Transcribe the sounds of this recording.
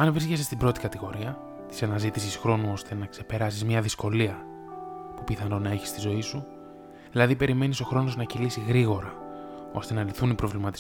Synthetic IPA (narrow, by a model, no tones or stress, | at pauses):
ɐnviscesest̪ibɾo̞t̪i̥kɐt̪iɣo̞ɾiɐ | t̪i̥sɐnɐzit̪isisxɾo̞nuo̞st̪e̞nɐkse̞pe̞ɾɐsizmɲɐðisko̞liɐ | pupiθɐno̞nɐe̞çi̥st̪izo̞isu | ðilɐðipe̞ɾime̞niso̞xɾo̞no̞znɐcilisiɣɾiɣo̞ɾɐ | o̞̰st̪e̞nɐliθunipɾo̞vlimɐt̪is